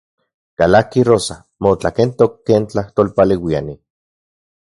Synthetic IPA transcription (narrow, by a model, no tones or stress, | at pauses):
kalakirosa | mot͡ɬakent̪okːeːnt͡ɬaht̪oːlpalewiani